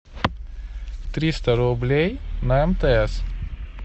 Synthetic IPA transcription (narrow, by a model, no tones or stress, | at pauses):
t̪ʲɾʲist̪ɐɾoblʲejnɐɛmt̪ɛɛs